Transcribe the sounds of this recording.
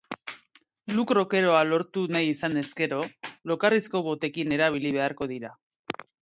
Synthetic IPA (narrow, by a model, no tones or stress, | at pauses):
lukɾo̞ke̞ɾo̞alo̞ɾt̪unajisane̞ske̞ɾo̞lo̞karisko̞βo̞t̪e̞kine̞ɾaβ̞iliβ̞e̞aɾko̞ð̞iɾa